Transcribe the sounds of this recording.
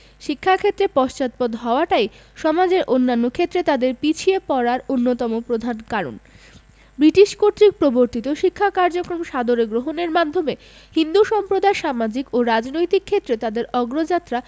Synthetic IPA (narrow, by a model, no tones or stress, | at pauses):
ʃikʰːakʰet̪ːɾepɔʃt͡ɕat̪̚pɔd̪ɦɔoaʈaj | ʃɔmad͡ʑeɾʔonːanːokʰet̪ːɾet̪ad̪eɾpit͡ɕʰiepɔɾaɾonːot̪ɔmopɾod̪ʱankaɾo̰n | bɾiʈiʃkoɾʈ̪ɾik̚pɾoboɾt̪it̪oʃikʰːakaɾd͡ʑokɾomʃad̪oɾeɡɾoɦoneɾmad̪ʱːome | hind̪uʃɔmpɾod̪ʱaeʃamad͡ʑikoɾad͡ʑnojt̪ikʰːet̪ːɾet̪ad̪eɾɔɡɾod͡ʑat̪ːɾa